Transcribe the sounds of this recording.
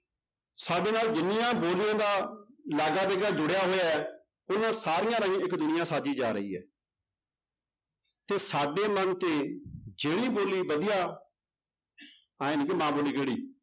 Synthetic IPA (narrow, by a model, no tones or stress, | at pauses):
saːɖeːnaːld͡ʒɪnɪjãːboːlɪjãːd̪aːlɛːɡaːd̪eːɡaːd͡ʒʊɽjaːɦoːjaɛː | ʊnãːsaːɾɪjãːɾãːĩːɪkd̪ʊnɪjãːsaːd͡ʒiːd͡ʒaːɾəḭːɛ̰ː | t̪eːsaːɖeːmənt̪eːd͡ʒeːɽ̃iːboːliːbəd̪ɪjaː | aːẽːnikɪmãːboːliːɡeːɽḭː